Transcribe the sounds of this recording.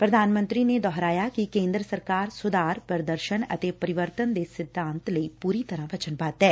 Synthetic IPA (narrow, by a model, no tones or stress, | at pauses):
pɾɐd̪ʱaːnmə̃nt̪ɾined̪ɔːɦɾaːjakikẽːnd̪ɾəsɐɾkaːɾsʊd̪aːɾpəɾd̪əɾʃənɐ̰t̪epɐɾɪʋəɾt̪ənd̪esɪd̪ʱːãːnt̪ləipuːɾit̪ɐɾãʋɐt͡ʃənbaːt̪ɦɛː